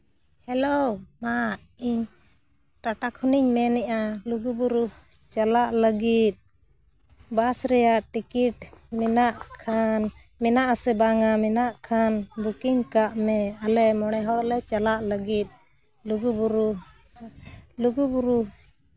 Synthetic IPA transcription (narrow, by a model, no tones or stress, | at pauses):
hɛloma | iɲ | ʈaʈakʰuniɲmɛnɛʔaluɡubuɾu | t͡ʃalaʔləɡit̪̚ | basɾɛjaʔʈikiʈmɛnaʔkʰan | mɛnaʔasɛbaŋamɛnaʔkʰanbukiŋkaʔmɛalɛmɔɽ̃ɛɦɔɽɔlɛt͡ʃalaʔləɡit̪̚ | luɡubuɾu | luɡubuɾu